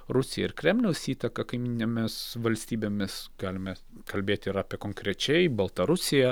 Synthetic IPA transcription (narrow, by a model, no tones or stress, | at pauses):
ɾʊsʲɪjɛɪɾkɾʲɛmʲlʲɛʊsiːt̪ɐkɐkɐɪmʲiːnʲemʲɪsʋɐlʲsʲt̪ʲiːbʲeːmʲɪsɡ̥ɑːlʲɪmʲɛ | kɐlʲbʲeːt̪ʲɪɾɑːpʲiɛkoːŋkɾʲɛt͡ʃʲɛɪbɐlˠt̪ɐɾʊsʲɪjɛ